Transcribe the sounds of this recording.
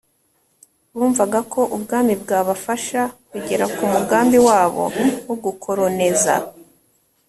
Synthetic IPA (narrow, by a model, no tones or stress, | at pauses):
βuːɱvaɡakʰo̞ʔubɡaːmibɡaːβafaʃakuɟe̞ɾakumuɡaːmbiwaːβo̞̰woɡukʰo̞ɾo̞ne̞za̰